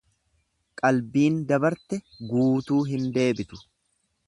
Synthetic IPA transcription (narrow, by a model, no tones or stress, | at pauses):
kʼɐlbiːnd̪ɐbɐɾt̪ɛ | ɡuːt̪uːɦɪnd̪e̞ːbɪt̪ʊ̥